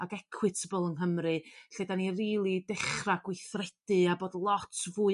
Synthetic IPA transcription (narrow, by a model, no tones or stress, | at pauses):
aɡɛkʰwɨtʰəbəlˠənɦəmrɨɬedaniriːlˠidɪχraɡwɪθrɛd̥ɨaboːdlˠɔtʰvuːɨ